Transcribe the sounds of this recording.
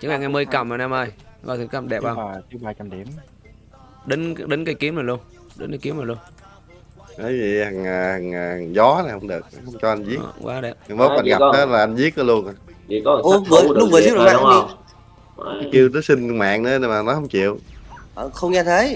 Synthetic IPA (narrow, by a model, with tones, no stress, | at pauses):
t͡ɕɨ˨˦ŋlaː˨˧˩ŋa˧jməː˧jka˨˩maː˨˩naː˧mʔəː˧˩jva̰˧˩t̪i˨˩˦ka˧˩mɗɛ˨˩p̚ɓaː˧˨˩si˨˦ɓaː˧t͡ɕa˧mɗi˨˧˩əm | ɗə˨˦ŋɗə˨˦n̟kaː˨˧˦jki˨˦əmnaː˨˩lu˧ən | ɗə̰˨˦nkaː˧jki˨˦əna˨˩lu˧ən | ʔə˨˦vḭ˨ha˨˩ŋa˨˩ha˨˩ŋː˨˩˨ŋzɔ˨˦na˨˩hə˧wŋ͡mɗɨ˨˩ək̚hə˧wŋ͡mt͡ɕɔ˧ʔa˧nzi˦˥əkːwa̰ː˨˦ɗɛ̰˨˩p̚a˨˧˩ɓo˦˥k̚ʔa˧nɣa˨˧əː˨˦laː˨˩ʔa˧jnzi˦˥ək̚ːə˨˦lu˧əna˨˩˧ | mɨ˨˩ɗʊ˨˦ŋ͡mvɨ˨si˦˥lː | a˨˦ki˧əwt̪əː˨˦sï˧ŋ˧ma̰ː˧˨ŋnɨ˧˦ɗə˧maː˨˩nɔ˨˦hə˧wŋ͡mt͡ɕḭ˧˨əwʔəː˨˩xə˧wŋ͡mɲaː˧t̪ʰə˨˦j